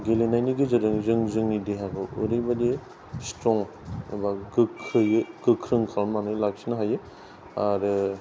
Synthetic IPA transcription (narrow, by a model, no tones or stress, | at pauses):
ɡelinajniɡizɯɾɯŋzɯŋzɯŋnidiɦaɡɯuɾibɐdi | stɾɔŋ | baɡɯkʰɾɯjɡɯkʰɾɯŋkʰalmanɯlaksinaɦajɯ | aɾɯ